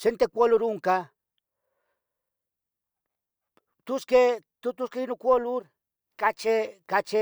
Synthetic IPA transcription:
sent̪ekʷoluɾuŋka | t̪usket̪ut̪uskeinukʷoluɾ | kat͡ʃekat͡ʃe

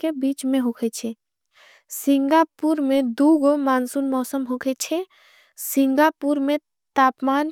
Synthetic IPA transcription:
kebiːt͡ʃmẽɦokʰet͡ʃʰe | sɪ̃ŋɡaːpuːɾmẽd̪uːɡomaːnsunmɔːsəmɦokʰet͡ʃʰe | sɪ̃ŋɡaːpuːɾmẽ | t̪aːpmaːn

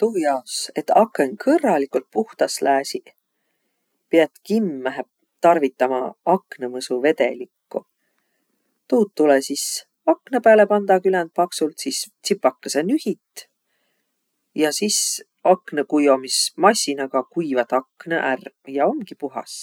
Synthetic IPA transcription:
t̪uːjɑose̞t̪ːɑkːeŋkʰɤrːɑlikult̪̚puht̪ɑslæːsi | piɑt̪kimːæɦep | t̪ɑrvit̪ːˑɑmɑɑknɤmɤsuve̞t̪e̞̰likːu | t̪uːt̪t̪ːulesis | ɑkːnɤpæːle̞pɑnd̪ɑkylænd̪̚pɑksult̪sist̪sipːɑkːesenyhit̪ːˑ | jɑsis | ɑknekujo̞mismɑsʲinɑɡ̥ɑkujvɑt̪ɑkːnɤ̰ʔærjɑo̞ŋɡ̥ipuɦɑ̰s

